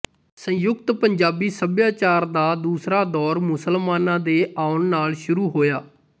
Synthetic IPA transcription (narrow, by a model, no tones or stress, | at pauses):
sə̃jʊɡt̪pəɲd͡ʒaːbiːsəbjaːt͡ʃaːɾd̪aːd̪uːsɾaːd̪ɔːɾmʊsəlmaːnãːd̪eːaːʊnnaːlʃʊɾuːɦoːjaː